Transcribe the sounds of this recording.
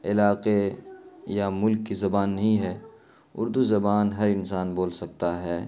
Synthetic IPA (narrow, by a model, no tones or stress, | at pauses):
ɪlaːqe | jamʊlkːizɐbaːnːɐɦĩɦɛː | ʊ̰ɾd̪uzɐbaːnɦɐɾɪnsaːnboːlsɐk̚t̪aɦɛː